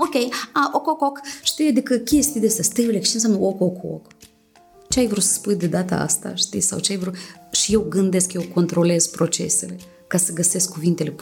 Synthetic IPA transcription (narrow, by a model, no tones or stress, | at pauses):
okʲejaʔokokokʃt̪ijad̪ikəkʲest̪id̪esəst̪əjelekt͡ʃens̬ʲamnəokokʰo̰k | t͡ʃeajvɾut̪sə̥spujd̪e̞d̪at̪ə̰a̰st̪a̰ʃt̪isa̰wt͡ʃeajvɾuʃije̞wɡɨnd̪e̞skje̞wko̞nt̪ɾo̞le̞z̥pɾo̞t͡ʃe̞̰se̞le̞ | kasəɡəse̞skʰːuvint̪e̞le̞